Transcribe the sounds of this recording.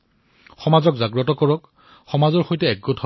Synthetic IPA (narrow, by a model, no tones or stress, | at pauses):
xɔmazɔkzaɡɹɔtɔkɔɹɔk | xɔmazɔɹxojtɛɛɡɔtʰɔ